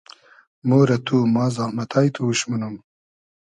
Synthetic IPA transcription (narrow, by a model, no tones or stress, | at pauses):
moːɾɐt̪uːmɑːzahmɐt̪ʰaːjt̪ʰuuɕmunum